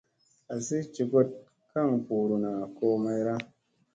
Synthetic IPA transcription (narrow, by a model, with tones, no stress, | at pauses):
a˨si˦t͡ʃi˨ɡo˦t̚ | ka˦˨ŋpu˨ɾu˨na˨ko˧ma˧jɾa˦